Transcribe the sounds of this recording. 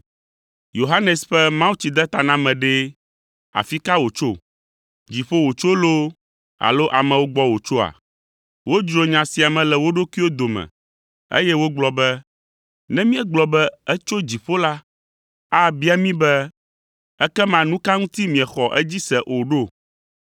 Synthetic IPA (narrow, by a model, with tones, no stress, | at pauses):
jo˨ɦa˦nɛ˨sɸɛ˦mã˦wu˦t͡ɕi˨d̪ɛ˦t̪a˨nã˦mɛ̃˨ɖɛ˦ | a̰˨fi˦ka˦wo˨t͡ʃo˦˨ | d͡ʑi˨ɸo˦wo˨t͡ʃo˦lo˦ | a̰˨lo˦ʔa˨mɛ̃˨wo˦ɡ͡bɔ˦wo˨t͡ʃo˦a̰˨ | wo˦d͡ʒɾo˨ɲã˨si˨a˨mɛ̃˨lɛ˨wo˦ɖo˦ki˦wo˦d̪o˨mɛ̰̃˨ | ḛ˦jɛ˦wo˦ɡ͡blɔ˨bɛ˦ | nɛ̃˦mĩ˦ɛ̃˦ɡ͡blɔ˨bɛ˦ɛ˦t͡ʃo˦d͡ʑi˨ɸo˦la˦ | a˦bi˦a˨mĩ˦bɛ˦ | ɛ˦kɛ˦mã˨nũ˦ka˦ŋũ˦t̪i˦mĩ˨ɛ˨xɔ˨ʔɛ˦d͡ʑi˦sɛ˨ʔo˨ɖo˦˨